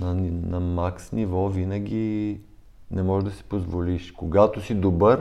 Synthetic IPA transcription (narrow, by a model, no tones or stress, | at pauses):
nɐnnɐmaksnivɔvinɐɡ̟ʲi | nɛmɔʒɛd̪ɐsi̥pozvoliʃkoɡat̪osid̪obəɾ